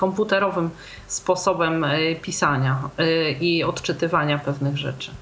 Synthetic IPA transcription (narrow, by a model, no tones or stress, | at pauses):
kɔmput̪ɛɾɔvɘm | spɔsɔbɛmpʲisaɲa | iɔt̪t͡ʂɘt̪ɘvaɲapɛvnɘɣʐɛ̰t͡ʂɘ̥